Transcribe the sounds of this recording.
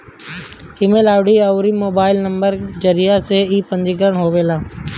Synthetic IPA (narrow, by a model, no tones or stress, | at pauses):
ɪmeːlaːʋɽiəwɾimoːbaːɪlnəmbəɾd͡ʒəɾijaseiːpə̃nd͡ʒik̬əɾəɳɦoːʋeːlaː